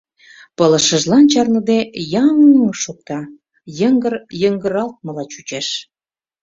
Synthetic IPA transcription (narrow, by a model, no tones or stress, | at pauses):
pələ̆ʃəʒlɑnt͡ɕɑrnəd̪ejɑŋʃok̚t̪ɑ | jəŋɡərjəŋɡə̆ɾɑlt̪̚məlɑt͡ɕut͡ɕeʃ